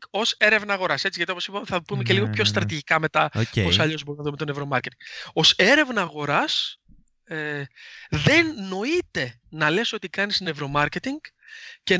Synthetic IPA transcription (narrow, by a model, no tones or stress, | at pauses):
o̞se̞ɾe̞vnɐːɣo̞ɾɐse̞t͡siʝɐt̪ioposipɐmeθɐpume̞ce̞liɣo̞pço̞st̪ɾɐt̪iʝikɐme̞t̪ɐoosɐʎo̞zbo̞ɾinɐðumet̪one̞vɾo̞mɐɾce̞t̪iŋɡo̞se̞ɾe̞vnɐːɣo̞ɾɐs | ðe̞nːo̞it̪e̞ | nɐle̞so̞t̪ikɐnisne̞vɾo̞mɐɾce̞t̪iŋɡ | ce̞